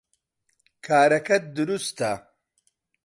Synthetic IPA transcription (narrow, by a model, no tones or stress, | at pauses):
kʰaːɾɐkɐt̪̚d̪uɾust̪ʰa